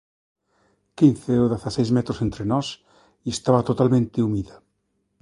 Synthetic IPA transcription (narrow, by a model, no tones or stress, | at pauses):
kinθeoðaθasejzmɛt̪ɾosent̪ɾenɔs | iest̪aβat̪ot̪almẽnt̪eumiða